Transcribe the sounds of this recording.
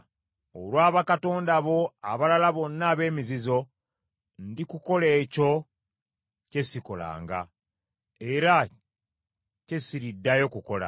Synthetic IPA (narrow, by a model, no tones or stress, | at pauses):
olwaːβakato̞ːndaβo̞a̰βalalaβo̞nːaːβe̞ːmizizo̞ | ndikuko̞le̞ːco̞ | ce̞siko̞la̰ːŋɡa̰ | eɾa | ce̞siɾidːajo̞kuko̞la̰